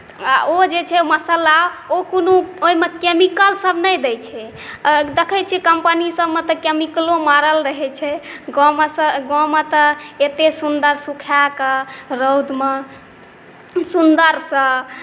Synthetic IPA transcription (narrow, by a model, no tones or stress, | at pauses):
aʔod͡ʒet͡ʃʰɛməsəlaokonooimekemikəlsəbnəjd̪ɛjt͡ʃʰɛ | d̪ekʰɛt͡ʃʰɛkəmpənisəbmet̪ɔkemiklomaɾəlɾəɦɛt͡ʃʰɛɡɔmesəɡɔ̃met̪ɔet̪esund̪əɾsukʰakəɾəwd̪me | sund̪əɾsə̃